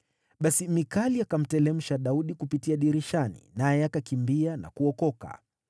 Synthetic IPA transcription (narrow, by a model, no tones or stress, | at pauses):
ɓasimikaliakam̩tɛlɛm̩ʃaɗauɗikupitiaɗiɾiʃanḭnajɛakakimbiana̰kuɔkɔka̰